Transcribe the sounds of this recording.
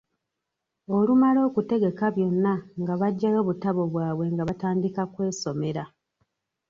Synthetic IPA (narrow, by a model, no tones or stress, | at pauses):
o̞lumalo̞ːkute̞ɡe̞kaβjo̞nːaŋɡaβaɟːajo̞ːβutaβo̞βwaːβwe̞ŋɡaβataːndikakwe̞ːso̞me̞ɾa